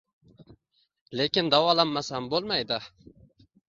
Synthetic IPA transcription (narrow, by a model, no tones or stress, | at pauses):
lekʲɪnd̪awɒlˠanmasambolˠmajd̪ɪ